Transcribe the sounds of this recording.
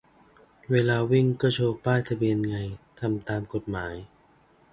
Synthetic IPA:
weː˧laː˧wi˥˩ŋkɔː˥˩t͡ɕʰoː˧k̚paː˥˩jt̪ʰa˧bi˧ənŋa˧jt̪ʰa˧mt̪aː˧mko˨˩t̪̚maː˩˦j

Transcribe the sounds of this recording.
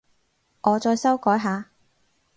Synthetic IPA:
ʔɔː˨˧t͡ʃɔː˧jsɐ˥wkɔː˨˥jɦaː˨˧

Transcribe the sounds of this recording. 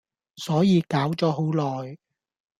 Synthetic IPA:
sɔː˨˥jiː˨˧kaː˨˥wt͡sɔː˨˥ɦo˨˥wlɔː˨j

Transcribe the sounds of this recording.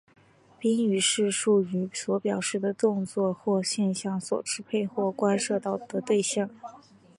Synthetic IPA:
pi˥ŋy˨˩ʂɻ̩˥˧ʂu˥˩y˧˥swɔ˧˥pjɑ˨˩ʊʂɻ̩˥˩d̪ə˩t̪ʊ˥˧ŋt͡swɔ˥˧xwɔ˥˧ɕjɛ˥˧nɕjɑ˥˩ŋswɔ̰˨˩ʈ͡ʂʰɻ̩˧˥pʰe˥˧ɪxwɔ˥˩kwa˥nʂɤ˥˧t̪ɑ˥˩ʊt̪ɤ˥t̪we˥˧ɪɕjɑ˥˩ŋ

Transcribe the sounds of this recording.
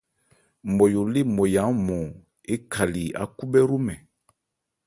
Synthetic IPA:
mɔ˨jo˨le˦mo˨ja˨˦mɔ˨ | e˦kʰa˨li˨a̰˦ku˦bɛ˦ɾu˦mɛ˨

